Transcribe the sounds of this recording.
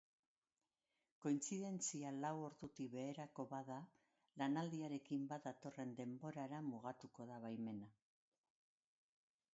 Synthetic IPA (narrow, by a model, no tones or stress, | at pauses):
ko̞int͡siðe̞nt͡sialawo̞ɾðut̪iβe̞ːɾako̞βaða | lanald̪iaɾe̞kimbat̪d̪at̪o̞re̞nd̪e̞mbo̞ɾaɾamuɣat̪uko̞ð̞aβajme̞na